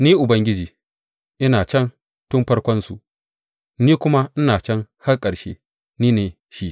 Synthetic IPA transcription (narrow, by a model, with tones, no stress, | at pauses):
niː˦ʔʊ˨bɐ˦ŋɡʲɪ˦d͡ʒiː˨ | ʔɪ˦naː˨t͡ʃɐ˦n | tʊ˦mɸɐ˦ɽkʷɔ˦nsṵ˨ʔ | niː˦kʷʊ˦ma˦ʔɪ˦naː˨t͡ʃɐ˦ŋha˦rkʼɐ˨ɽʃḛː˦ | niː˦neː˨ | ʃi˦ʔ